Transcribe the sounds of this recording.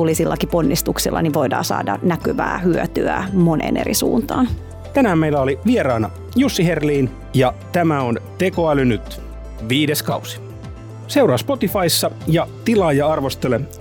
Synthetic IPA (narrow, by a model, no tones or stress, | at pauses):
ulisilːɑkipo̞nːist̪uksilːɑ̰niʋʋoidɑ̰ːsɑ̰ːdɑnækyʋæ̰ːhyøt̪yæmonʔḛnʔḛɾḭsuːnt̪ɑːn | t̪ænæːmmeilæoliʋieɾɑːnɑ | jusːiherliːn | jɑt̪æmæont̪ekoælynyt̪ | ʋiːdeskɑusi̥ | se̞wɾɑːspo̞t̪ifɑisːɑjɑt̪ilɑːjɑɑrʋo̞st̪elem